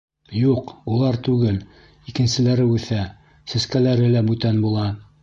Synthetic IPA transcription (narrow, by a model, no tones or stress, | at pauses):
juqulˠɑɾt̪ʉɡɘl | ikɘ̆nsɘ̆læɾɘʉθæ | sɘ̆skælæɾɘlæbʉt̪ænbulˠɑ